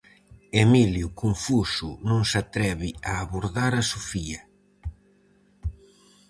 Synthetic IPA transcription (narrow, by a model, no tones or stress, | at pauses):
emiljʊkoɱfusʊnõŋsat̪ɾɛβɪaːβoɾðaɾasofiɐ